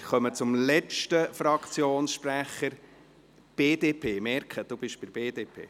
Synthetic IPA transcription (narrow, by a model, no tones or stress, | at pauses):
χœmət͡sʊmlɛt͡ʃtəfɾɑkt͡sjoːnsʃpɾæχəɾ | b̥eːd̪eːpʰeːmɛɾkχəd̥ub̥ɪʃb̥ɪɾb̥eːd̥̪eːpʰḛː